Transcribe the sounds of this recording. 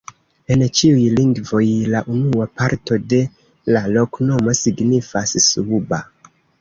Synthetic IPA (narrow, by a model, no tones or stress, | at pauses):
e̞nt͡ʃiujliŋɡvo̞jlaʔunuapaɾto̞de̞ | lalo̞kno̞mo̞siɡnifassuuba